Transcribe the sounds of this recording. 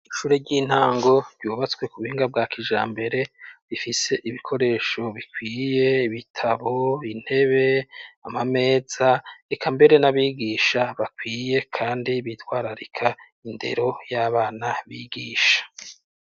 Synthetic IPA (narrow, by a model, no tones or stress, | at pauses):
iʃuːɾeɟiːn̥aːŋɡo̞ɾɟuːβat͡swe̞kuβuhiːŋɡab̚ɡaːkʰiʒa̰ːmbe̞ɾe̞ɾifise̞ʔiβikʰo̞ɾe̞ːʃo̞βikwiːje̞iβitʰaβo̞in̥he̞βe̞amame̞ːz̥aekʰambe̞ɾe̞naβiːɡiːʃaβakwiːje̞kʰaːndiβitwaːɾaɾikʰa | inde̞̰ɾo̞jaːβaːnaβiːɡiːʃḁ